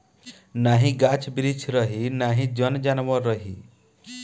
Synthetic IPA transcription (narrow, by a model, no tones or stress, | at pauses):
naɦĩɡat͡ʃʰbɾit͡ʃʰɾʌɦinaɦĩd͡ʒʌnd͡ʒanʋɔɾʌɦḭ